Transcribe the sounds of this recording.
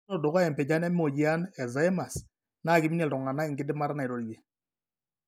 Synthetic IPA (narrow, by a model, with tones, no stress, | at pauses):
ɔ˦dɔ˨ɣa˦ɛ˨mpe˨d͡ʒa˦nɛ˦m˦o˨d͡ʒi˦a˦nɛ˨za˨˦ɛ˦ma˨s | na˦˨ɡɪ˦mi˦ne˨lɔ˨ŋa˨na˦ɪ˨ŋɡɪ˦dɪ˦ma˦ɾna˨ɪ˨ɾo˨ɾje˨